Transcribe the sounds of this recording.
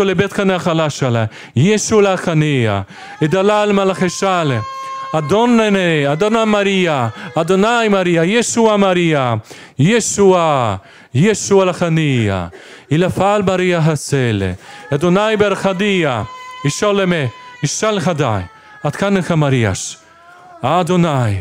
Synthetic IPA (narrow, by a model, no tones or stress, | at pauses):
olebet̪kaneaxalaʃala | jeʃulaxanija̰ | ed̪alalmalaχeʃalead̪onenead̪onamaɾiaːd̪onajmaɾiajeʃuamaɾia | jeʃua | jeʃualaxanija̰ | ilafalmaɾijaɦaselḛad̪onajbeɾxad̪ijaiʃolemeiʃalxad̪a̰j | at̪kanexamaɾia̰ʃ | ad̪onaj